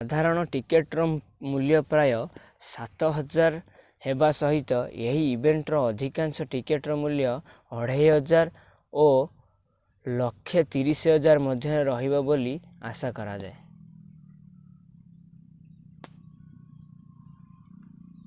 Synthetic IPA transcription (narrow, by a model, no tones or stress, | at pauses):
sad̪ʱaɾɔɽ̃ɔʈikeʈɾɔ | muljɔpɾajɔ | sat̪ɔɦɔd͡ʒaɾ | hebasɔɦit̪ɔeɦiːbeɳʈɾɔːd̪ʱikansɔʈikeʈɾɔmuljɔː | ɽ̤ejɦɔd͡ʒaɾ | o | lɔkʰːet̪iɾisiɦɔd͡ʒaɾmɔd̪ʱjɔnɾɔɦibɔboli | a̰sakɔɾad͡ʒae